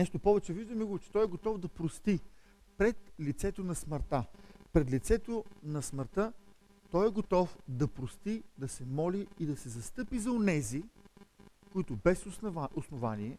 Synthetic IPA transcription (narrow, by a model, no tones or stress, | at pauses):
nɛʃt̪ʊpɔvɛt͡ʃɛviʒd̪ɐmiɡʊvt͡ʃɛ̥t̪ɔjɛɡot̪ɔfd̪ɐpɾost̪i | pɾɛt̪lit̪sɛt̪onɐsməɾt̪apɾɛt̪lit̪sɛt̪onɐsməɾt̪ə | t̪ɔjɛɡot̪ɔfd̪ɐpɾost̪id̪ɐsɛmɔliːd̪ɐsɛzɐst̪ɤpizɐonɛzi | kʊit̪ʊbɛsosnovaniɛ